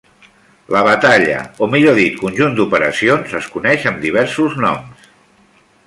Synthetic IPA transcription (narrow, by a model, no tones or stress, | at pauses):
ləβət̪aʎə̰omiʎoðit̪kunʲʒund̪upəɾəsionzəskunɛʃəmd̪iβ̞ɛɾsuznɔ̰ms